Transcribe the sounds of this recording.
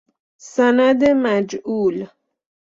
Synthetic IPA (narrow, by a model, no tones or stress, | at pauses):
sænæd̪emæd͡ʒuːl